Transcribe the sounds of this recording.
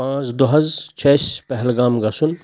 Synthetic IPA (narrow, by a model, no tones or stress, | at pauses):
pãːt͡sd̪oɦɐzt͡ʃʰespɛɦlɡaːmɡɐsun